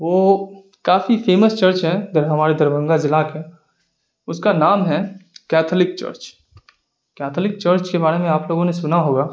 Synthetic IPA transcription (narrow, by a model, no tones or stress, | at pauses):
ʋoː | kaːfifʰeːməst͡ʃɐɾt͡ʃɦɛd̪əɾɦɐmaːɾed̪ɐɾbʱə̃ŋɡazɪlakẽ | ʊskanaːmɦɛkɛːt̪ʰlɪk̚t͡ʃə̰ɾt͡ʃ | kɛːt̪ʰːlɪk̚t͡ʃəɾt͡ʃkebaːɾemẽaːploːɡõnesʊnaɦoːɡaː